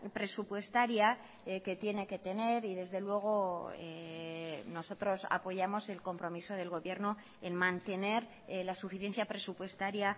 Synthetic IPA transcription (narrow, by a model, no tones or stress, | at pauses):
pɾe̞supwe̞st̪aɾja | ke̞t̪je̞ne̞ke̞t̪e̞ne̞ɾiðe̞zðe̞lwe̞ɣ̞o̞ḛ | no̞so̞t̪ɾo̞sa̰po̞ʝamo̞se̞lko̞mpɾo̞miso̞ð̞e̞lɣo̞βje̞ɾno | enmãnt̪e̞ne̞ɾ | lasufiθje̞nθjapɾe̞supwe̞st̪aɾja